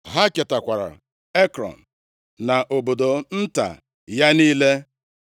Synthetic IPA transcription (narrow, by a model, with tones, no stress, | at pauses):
ɦa˦ke˨ta˨kʷa˨ɾa̰˨ | e˦kɾɔ̰˨n̩˨ | na˨ʔo˨bo˨do˨n̩˦ta̰˨ | ja˦niː˦le˦